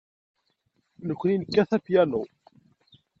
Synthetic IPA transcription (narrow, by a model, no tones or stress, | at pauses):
nəkʷːninəkːæθæpjænu